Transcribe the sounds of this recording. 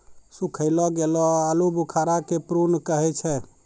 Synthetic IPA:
sukʰəɪlɔɡelɔalubukʰaɾakepɾunkəɦɛt͡ʃʰɛ

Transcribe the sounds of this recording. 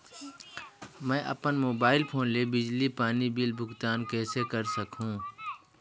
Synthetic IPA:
mɛ̃ːʔɐ̰pənmoːbaːɪlpʰoːnlebɪd͡ʒlipaːnibɪlbʱʊɡt̪aːnkɛːsekəɾsɐkɦũː

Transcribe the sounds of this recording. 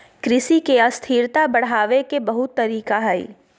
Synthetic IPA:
kɾɪsikeɐst̪ʰiːɾt̪abɐɽ̤aːʋekebɐɦʊt̪ːɐɾiːkaɦɛḭ

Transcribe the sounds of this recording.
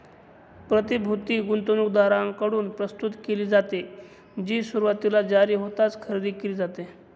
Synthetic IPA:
pɾət̪ibʱut̪iːɡunt̪onukd̪aɾãŋkəɽuːnpɾəst̪ut̪keliːd͡zat̪e | d͡ʑiːsuɾuʋat̪ilad͡zaɾiːɦot̪at͡skʰəɾid̪iːkeliːd͡zat̪e

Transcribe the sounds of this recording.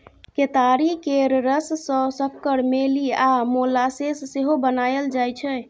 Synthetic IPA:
ket̪aɾikeɾɾəssə̃səkːəɾmeliamolasesːeɦobənajəld͡ʒajt͡ʃʰɛ

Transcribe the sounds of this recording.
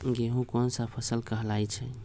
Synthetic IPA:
ɡeɦũkɔnsapʰəsəlkəɦlajt͡ʃʰɛ

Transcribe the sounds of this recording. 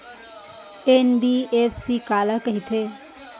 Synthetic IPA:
enbieːpsikaːlakɐɦit̪ʰeː

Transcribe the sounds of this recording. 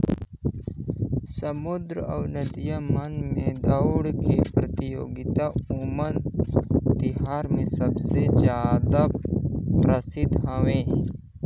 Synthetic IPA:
səmʊd̪ɾəɐ̰wnəd̪ijəmɐnmẽd̪ɐwɽkepɾət̪ɪjoːɡɪt̪aumən | t̪ɪɦaːɾmẽsɐbsed͡ʒjaːd̪apɾəsɪd̪ʱɦɐʋẽː

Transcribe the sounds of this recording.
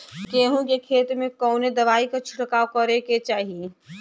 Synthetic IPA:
keːɦũkekʰeːt̪mẽkɔːned̪ɐʋaːikat͡ʃʰʊ̥ʈkaokɐɾeket͡ʃaːɦie

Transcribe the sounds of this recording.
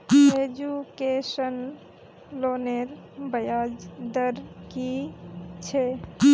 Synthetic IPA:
ed͡ʒukesən | loneɾ | bəjad͡ʒd̪əɾki | t͡ʃʰe

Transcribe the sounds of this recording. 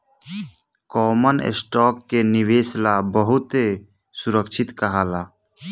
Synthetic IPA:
kɔːmənḛsʈɔːkːenɪʋeːslaːbəɦʊt̪e | sʊɾəkʃʰɪt̪kəɦaːlaː

